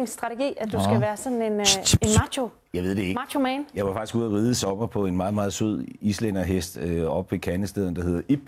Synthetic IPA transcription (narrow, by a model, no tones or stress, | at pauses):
ŋsd̥ʁɑ̈t͡sʰe̝ɡ̥ḭːæd̥usɡ̥æʋæːɐsɒ̽nn̩e̝nenmɑɕo̝ | jɑ̈ɪʋe̝̰d̥eeɡmɑ̈ɕʰo̝mɛːnjɑ̈ɪʋɑ̈fɑ̈ɡ̥isɡṵɐʁiːð̞ˠəsɒ̽m̥ɐpʰɒ̽e̝nmɑ̈ːð̩ˠmɑ̈ːð̞̩ˠsøð̰ˠislen̰ɐɦesd̥øɒ̽b̥ʋe̝kʰænəsd̥eðˠɐnd̥ɑ̈he̝ð̰ˠɐʔib̥